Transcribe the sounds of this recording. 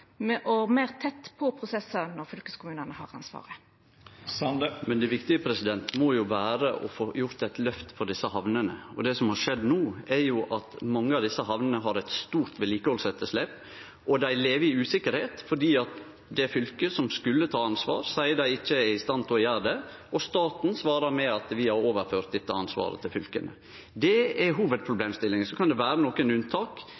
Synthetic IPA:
mɛʔɔmeːʁt̪ʰɛt̪ːpʰɔpʰɾʊsɛsənɔɾfʏlkəskʊmʉːnənəhɑːʁɑ̰nsʋɑ̰ːʁə | mɛnd̪ɛʋɪkt̪ɪəpʰɾɛsɪd̪ɛnt̪mɔjʊʋæːɾəʔɔ̰foːjʊɾt̪æt̪lœft̪fɔɖɪsːəhɑʋnənəɔd̪ɛsɔmhɑɾʂɛd̪nuːɛɾjʊʔɑt̪mɑŋːəɑʋd̪ɪsːəɦɑʋnənəɦɑɾɛɪt̪st̪uːɾt̪ʋɛliːkəhɔlsɛt̪ːəʂleːp | ʔɔd̪æɪleːʋɪʉːsɪkːəɾheːt̪fɔɖiːɑt̪ | d̪ɛæɾfʏlkəsɔmskʉlːət̪ʰɑːɑnsʋɑ̰ːɾsæɪəd̪æɪɪçːəst̪ɑnt̪ʰɔjæːɾd̪ɛɔst̪ɑːt̪n̩sʋɑːɾəɾmɛɑt̪ʋɪhɑɾoːʋəɾføːɾt̪̚d̪ɛt̪ːəɑnsʋɑ̰ːɾə̰t̪ʰɪlfʏlkə̰nʔə̰ | d̪ɛɛɦuːʋəd̪̚pʰɾʊbleːmst̪ɪlːɪŋsɔkʰɑnd̪ɛʋæːɾənɔkɛnʉnt̪ʰɑːk

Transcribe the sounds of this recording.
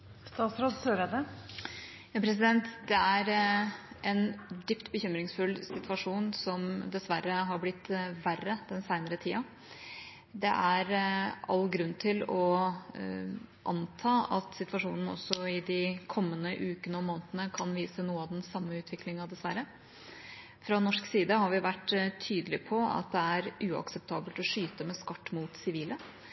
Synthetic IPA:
st̪ɑːt̪sɾoːd̪søːɾɛd̪ə | jɑːpʰɾɛs̬ɪd̪ɛnt̪d̪ɛæɾ | ʔɛnd̪yːpt̪bəçʏmɾɪŋsfʉlsɪt̪ʰʋɑʂuːnsɔmd̪ɛsʋæɾːəɦɑɾblɪt̪ːʋærːəd̪̥ɛnsæɪnəɾət̪ʰiːɑ | d̪ɛʔæɾɑ̰lːɡɾʉnːt̪ʰɪlɔ | ʔɑnt̪ʰɑːɑt̪sɪt̪ʋɑʂuːnn̩ɔ̰sːɔɪd̪ɪkʰɔmːənəʔʉːkənəɔmoːnt̪ənəkʰɑnʋiːsənuːəɑʋd̪ɛnsɑmːəʉːt̪ʰʋɪklɪŋɑd̪ɛsʋæɾːə | fɾɑnɔʂksiːd̪əhɑɾʋɪʋæʈːt̪ʰyːd̪əlɪpʰɔɑ̰t̪̚d̪ɛæɾʉːɑ̰ksɛp̚t̪ʰɑːbəlt̪ɔʂyːt̪əmɛskɑʈːmuːt̪sɪʋiːlə

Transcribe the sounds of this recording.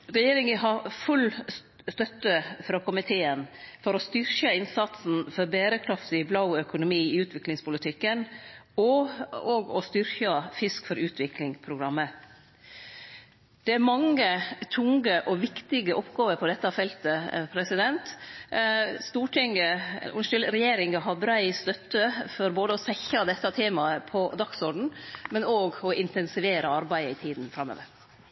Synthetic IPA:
ɾɛjeːɾɪŋəɦɑɾfʉl | st̪œt̪ːəfɾɑːkʰʊmɪt̪ʰeːənfɔɾɔst̪ʏɾçəɪnsɑt̪sn̩fɔɾbeːɾəkʰɾɑft̪ɪblɑʊœkʊnʊmiːɪʉːt̪ʰʋɪklɪŋspʊlɪt̪ʰɪkːənɔoːɡɔst̪ʏɾçɑfɪskfɔɾʉːt̪ʰʋɪklɪŋpʰɾʊɡɾɑmːə | d̪̥ɛæɾmɑŋːət̪ʰʊŋɡəʔɔʋɪkt̪ɪɡəʔɔpɡɑːʋəɾpʰɔd̪ɛt̪ːɑfɛlt̪əpʰɾɛsɪd̪ɛnt̪ | st̪uːʈʰɪŋə̰ʊnʂʉlɾɛjeːɾɪŋəɦɑbɾæɪst̪œt̪ːəfɔɾboːd̪əɔsɛçɑd̪ɛt̪ːɑt̪ʰeːmɑəpʰɔd̪ɑksɔɖɳ̩mɛnoːɡɔʔɪnt̪ɛnsɪʋeːɾəɑɾbæɪəɪt̪ʰiːd̪n̩fɾɑmːø̰ːʋə̰ɾ

